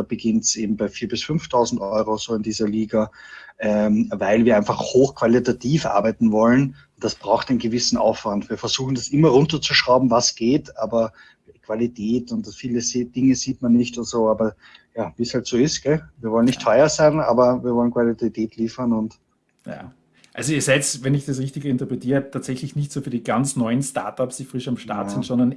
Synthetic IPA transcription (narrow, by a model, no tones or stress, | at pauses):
b̥əɡɪntsʔeːbm̩baɪfiːɐbɪsfʏnftʰaʊzn̩tʔɔʏʁozoːɪndiːzɐliːɡaʔɛvaɪlviːɐaɪnfaχhoːxkʰv̥alitatʰiːfʔa̰ɐbæɪtn̩vɔlənʊntd̥asb̥ʁaʊxtæɛɪnɡəvɪsn̩ʔa̰ʊfv̥antviːɐfɛɐz̥uːxn̩dasʔɪmɐʁʊntɐt͡suʃʁ̥aʊbm̩vasɡ̥eːtʰʔaːbɐ | kv̥alitʰɛːtʊntfiːləzid̥ɪŋəziːtmanːɪçtʊntz̥oːaːbɐ | jaːviːshaltsoːɪstɡ̥ɛviːɐvɔlənɪçttʰːɔʏɐzæɪna̰ːbɐviːɐvɔlənkv̥alitɛtʰɛːtʰliːfɐnʊnt | ja̰ː | ʔalzoiːɐsɛɪtsvɛnɪçd̥asʁɪçtɪɡəɪntɐpʁɛtʰiːʁətʰaːtsɛçlɪçnɪçtsuːfyːɐdiːɡant͡snɔʏənsta̰ɐtapsd̥iːfʁɪʃamʃta̰ɐttsɪntsɔndɐn